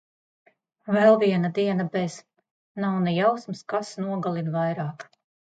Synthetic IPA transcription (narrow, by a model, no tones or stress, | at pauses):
vɛlˠviɛnad̪iɛnɐbɛz̥ | nawnɛjawsmskasnuɔɡalˠinvajɾɑːk